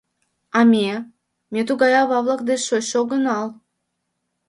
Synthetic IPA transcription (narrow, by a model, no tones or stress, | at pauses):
ɑmʲe | mʲet̪uɣɑjɑβɑβlˠɑkd̪eʃoɕoɡənɑl